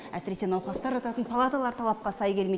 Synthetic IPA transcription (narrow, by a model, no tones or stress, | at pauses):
æ̰sɪɾe̞se̞nɑwqˠɑst̪ɑɾʒɑt̪ɑt̪ənpʰalˠat̪alˠɑɾt̪ʰɑlˠɑp̚qɑsɑjɡʲe̞lme